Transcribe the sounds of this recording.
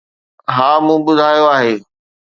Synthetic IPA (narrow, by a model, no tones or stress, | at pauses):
ɦaːmũːbʊd̪ʱaːjoaːɦeː